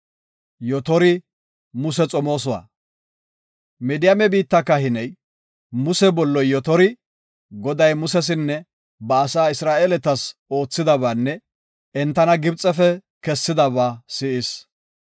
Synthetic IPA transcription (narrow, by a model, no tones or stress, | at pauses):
jɔt̪ɔɾɪ | mʊsɛt͡sʼɔmo̞ːs̬ɔwa̰ː | mɛd̪ɪjamɛbiːt̪ːɐkːɐhɪnɛj | mʊsɛbɔlːɔjːɔt̪ɔɾɪ | ɡɔd̪ɐjmʊsɛs̬ɪnːɛ | bɐːsaːɪsɾaːʔeːlɛt̪ɐso̞ːt͡sːɪd̪ɐβaːnːɛ | ɛnt̪ːɐnɐɡɪbt͡sʼːɛfɛ | kɛsːɪd̪ɐβaːsɪʔɪs